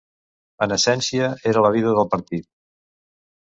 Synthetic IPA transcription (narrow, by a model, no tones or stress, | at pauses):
ənəsɛnsiəeɾələβiðəðəlˠpəɾt̪it̪̚